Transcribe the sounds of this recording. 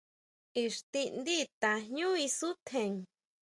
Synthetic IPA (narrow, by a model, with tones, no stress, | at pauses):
i˧ʂt̪i˧nd̪i˦t̪a˨˧ɲũ˦i˧su˦t̪ʰẽ˧˨ŋ